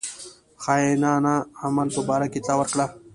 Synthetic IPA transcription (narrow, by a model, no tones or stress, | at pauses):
xɑːjenaːnaːmalpəbɑːɾaket͡s̪awəɾkɽa